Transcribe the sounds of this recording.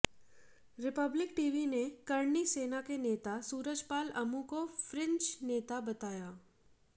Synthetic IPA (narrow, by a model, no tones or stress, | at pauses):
ɾɪpəblɪkʈiːʋinekɐɾniseːnakeneːt̪asuːɾəd͡ʒpaːlɐmũkofɾɪ̃ɲt͡ʃneːt̪abɐt̪aːjaː